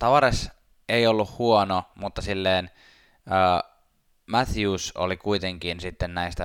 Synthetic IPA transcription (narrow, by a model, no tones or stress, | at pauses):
t̪ɑʋɑɾes | eiolːuhhuonomut̪ːɑsilːeːn | əː | mæθjuːso̰likuit̪eŋkinsit̪ːennæist̪æ